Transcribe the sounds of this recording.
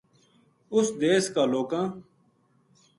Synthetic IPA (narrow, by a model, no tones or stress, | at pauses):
ʊsd̪eːskaːloːkãː